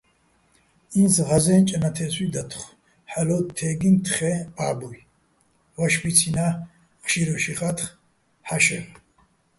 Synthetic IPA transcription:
inzʁazɛnt͡ʃʼanat̪ʰɛswid̪at̪ʰχ | ħalɔt̪ʰɛɡint̪ʰχɛaːbuj | vaʃbit͡sʰina | χʃiɾɔʃiχat̪χ | ħaʃɛ̰ʁ

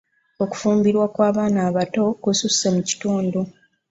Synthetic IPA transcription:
o̞ku̥fuːmbiɾwakwaːβaːnaːβato̞kususemuci̥tuːndu

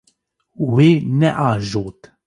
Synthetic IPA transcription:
wenɛʔaʒoːt̪

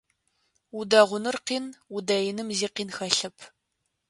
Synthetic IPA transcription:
udɐʁʷʊnɨrqiːnudɐjɪnɨmziːqiːnxɐɬɨpʰ

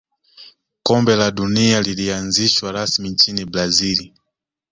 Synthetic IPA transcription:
kɔmbɛlaɗunialilianziʃwaɾasmint͡ʃiniblazili

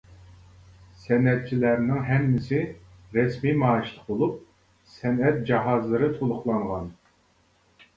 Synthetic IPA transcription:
sɛnɛt̪̚t͡ʃʰilæɾnɪŋɦɛmːɪsɪɾɛsmimɑːɨʃt̪əqbolˠup̚ | sɛnɛt̪̚d͡ʒɑɦɑzlˠəɾɨt̪ʰolˠʊχlˠɑɴʁɑn

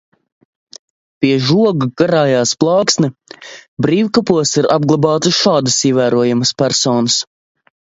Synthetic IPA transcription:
pʲiɛʒuɔɡuɡaɾaːjaːsplˠɑːksnɛbɾiːwkapuɔsiɾab̚ɡlˠabɑːt̪ɨʃaːd̪ɐsiɛvæːɾuɔjamɐspæɾsɔːnɐs

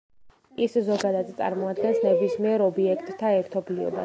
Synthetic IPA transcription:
iszɔɡad̪ad̪t̪sʼa̰ɾmɔad̪̚ɡɛnsnɛbismiɛɾɔbiɛkʰt̪ʼːʰaɛɾt̪ʰɔbliɔ̰ba̰

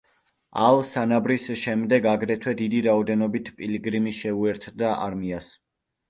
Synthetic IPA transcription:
alˠsanabɾisʃɛmd̪ɛɡaɡɾɛt̪ʰwɛd̪id̪iɾaɔd̪ɛnɔbit̪ʰpʼiliɡɾimiʃɛuɛɾt̪ʰd̪aʔa̰ɾmias

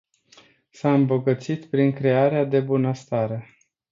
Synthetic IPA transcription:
saɨmbo̞ɡət̪sit̪pɾiŋkɾe̞aɾead̪e̞bunəst̪aɾe

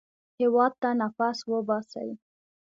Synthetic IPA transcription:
hewɑd̪̚t̪anafaswəbɑsa̰wi

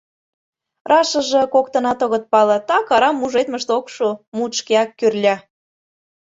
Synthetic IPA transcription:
rʔɑʃə̆ʒĕkokt̪ɤ̆nɑt̪ŏɣə̆t̪̚pɑlɤ̆t̪ɑkɑɾɑmuʒet̪mə̆ʃt̪okʃumut̪ʃkeɑkːyrlʲæ

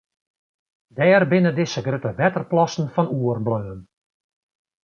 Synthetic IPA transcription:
dɛːrbɪnədɪsəɡrøtəʋɛtərplɑsn̩fɔnuərbløːn

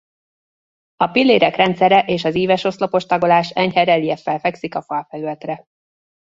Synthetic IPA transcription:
ɒpilːeːɾɛkrɛnt̪sɛɾɛʔeːʃɒziːvɛʃo̞slo̞po̞ʃt̪ɒɡo̞laːʃɛɲhɛɾɛliɛfːɛlfɛksikɒfɒlfɛlylt̪rɛ

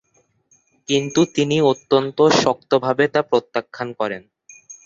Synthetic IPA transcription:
kint̪ut̪iniot̪ːont̪oʃɔk̚t̪obʱabet̪apɾot̪ːakʰːankɔɾen

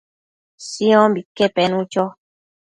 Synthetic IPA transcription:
siɔ̃bikɛpɛnũt͡ʃɔ

